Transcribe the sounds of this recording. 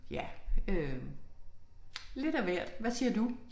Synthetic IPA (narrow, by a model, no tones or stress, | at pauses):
jæø | le̝d̥æʋæɐ̰d̥ʋæsiɐd̥u